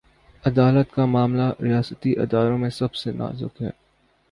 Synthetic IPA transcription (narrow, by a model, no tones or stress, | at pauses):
ɐd̪aːlət̪kamaːmlaɾijaːsət̪iʔɪ̰d̪aːɾõmẽsɐbsena̰ːzʊ̰kɦɛ̰ː